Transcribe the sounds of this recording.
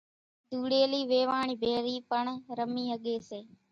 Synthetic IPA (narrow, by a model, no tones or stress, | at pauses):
d̪ʱuːɽeːliːʋeːʋaːɳiːbʱeːɾiːpəɳɾəmiːɦəɠeːseː